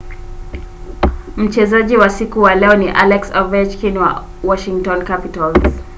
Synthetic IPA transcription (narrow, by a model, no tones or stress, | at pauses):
m̩t͡ʃɛzaʄiwasikuwalɛɔniʔalɛksɔvɛt͡ʃkinwa̰ | wɔʃiŋtɔnkapitalz